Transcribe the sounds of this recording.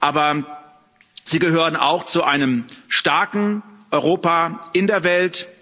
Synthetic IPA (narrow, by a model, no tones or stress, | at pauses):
ʔaːbɐ | z̥iːɡəɦøːʁəna̰ʊxt͡suʔaɪnəmʃtaɐkŋ̩ʔɔʏʁoːpaʔɪndeːɐvɛlt